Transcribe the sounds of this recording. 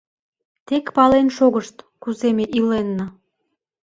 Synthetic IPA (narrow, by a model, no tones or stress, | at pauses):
t̪ekpɑlenʃoɣəʃt̪kuzemeʔilenːə